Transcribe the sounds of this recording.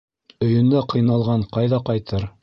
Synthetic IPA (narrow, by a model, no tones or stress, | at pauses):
ɵ̆jɵ̆nd̪æqɤ̆jnɑlˠʁɑɴqɑjðɑqɑjt̪ʰɤɾ